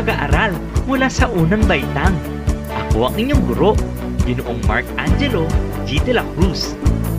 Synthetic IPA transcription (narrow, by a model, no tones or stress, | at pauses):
ɐɡaʔaɾal | mʊlasɐʔuːnɐŋbɐjt̪aŋ | ʔɐko̞ʔɐŋɪɲjoŋɡʊɾo̞ʔ | ɡɪnoʔoŋma̰ɹkʔand͡ʒɛlod͡ʒit̪ɛlakɹus